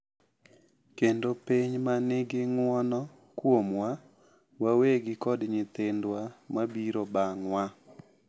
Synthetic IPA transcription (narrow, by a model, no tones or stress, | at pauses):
kendopiɲmanɪɡɪŋwɔnɔ | kwomwa | waweɡɪkɔdɲɪt̪ɪndwamabiɾobaŋwa